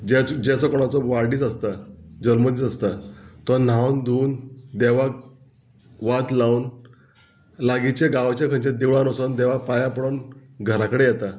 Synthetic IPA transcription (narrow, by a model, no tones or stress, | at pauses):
d͡ʑɛd͡ʑɛt͡sɔkɔɽ̃at͡sɔʋaɾɽiːt͡səst̪ad͡ʑəlməd̪it͡sast̪at̪ɔn̤awnd̪uːnd̪eʋa | ʋat̪laun | laɡit͡ɕeɡaʋt͡ɕakʰəɲt͡ɕãd̪iʋɭanɔsand̪ɛʋapajapəɽonɡʱəɾakəɽejɛt̪a